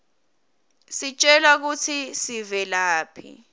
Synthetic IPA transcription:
sit͡ʃʼɛlak̬ut͡sʰisivɛlaːpʰḭ

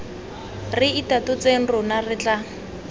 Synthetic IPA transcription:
rɪitatʊt͡seŋ̩rʊnarɪt͡ɬa

